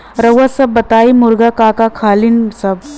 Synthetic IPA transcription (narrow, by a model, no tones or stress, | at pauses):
ɾəwəsəbːət̪aimuɾɡakakakʰaːlinsəb